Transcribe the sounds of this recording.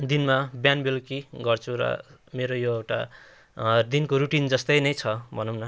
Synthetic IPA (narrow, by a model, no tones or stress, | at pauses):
d̪inmabjanbelkiɡʌrt͡sʰuɾʌ̰meɾojoewʈa̰ | d̪inkoɾuʈind͡zʌst̪ʌjnʌjt͡sʰʌbʱʌnunʌ